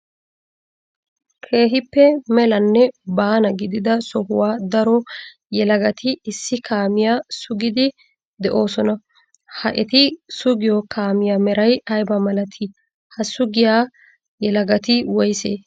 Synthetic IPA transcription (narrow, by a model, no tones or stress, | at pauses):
kʰe̞ːɦɪpːɛmɛlɐnːɛbaːnɐɡɪd̪ɪd̪ɐsɔhʊwaːd̪ɐɾɔ | jɛlɐɡɐt̪ʰɪːsːɪkʰaːmɪjasʊɡɪd̪ɪ | d̪ɛʔo̞ːsɔnɐ | hɐʔɛt̪ɪsʊɡɪjɔkaːmɪjaːmɛɾɐjɐjbɐmɐlɐt̪ʰɪ | hɐsʊɡɪjaː | jɛlɐɡɐt̪ɪwɔjsḛː